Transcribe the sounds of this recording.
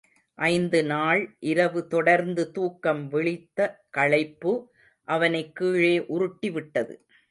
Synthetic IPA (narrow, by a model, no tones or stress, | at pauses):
ʔɐɪnd̪ɯnaːɭʔɪɾɐʋɯt̪ɔɽɐɾnd̪ɯt̪uːkːɐmʋɛɭɪt̪ːɐkɐɭɐɪpːɯ | ʔɐʋɐnɐɪkːiːɻeːʔʊɾʊʈːɪʋɪʈːɐðɯ̰